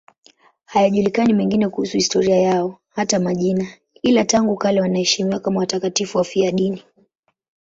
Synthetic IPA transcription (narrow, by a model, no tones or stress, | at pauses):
hajaʄulikanimɛŋɡinɛkuhusuhistɔɾiajaɔhatamaʄina | ilataŋɡukalɛwanahɛʃimiwakamawatakatifuwafiaɗini